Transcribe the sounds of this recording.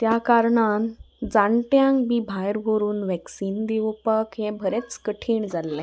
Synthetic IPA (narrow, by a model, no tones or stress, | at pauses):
t̪jakaɾɳan | d͡zãɳʈjãŋkbibʱajɾɦoɾuːnʋɛksiːnd̪iʋpəkɦẽbʱəɾẽt͡skəʈʰiːɳd͡zalːe